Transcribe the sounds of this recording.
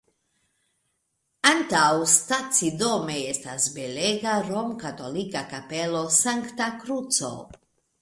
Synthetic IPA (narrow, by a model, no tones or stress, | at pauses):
ant̪awst̪at͡sid̪omeest̪asbeleɡaɾomkat̪olikakapelosaŋkt̪akɾut͡so̰